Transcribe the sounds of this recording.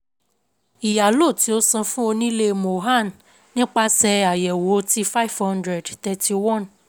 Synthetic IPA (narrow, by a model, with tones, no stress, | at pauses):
i˨ja˨lo˦˨ti˨˦o˦sã˧fũ˦o˧nĩ˦le˧mo˨ɦa˦˨n | nĩ˦k͡pa˧sɛ˧a˨jɛ˨wo˨˦ti˦fa˦˨vhɔ̃˦ndɾɛ˨dt̪ɛ˧ti˧wɔ̃˦˨n